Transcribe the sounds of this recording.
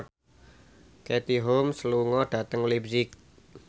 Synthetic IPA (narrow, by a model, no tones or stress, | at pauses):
ket̪iɦomsəluŋɔɖ̥ä̤t̪əŋulibzɪk